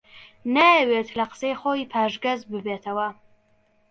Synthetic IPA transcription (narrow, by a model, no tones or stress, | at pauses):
naɛwɛːt̪ʰlaqsɛjχɔipʰaːʒɡɐzbɨbɛt̪ʰɐwa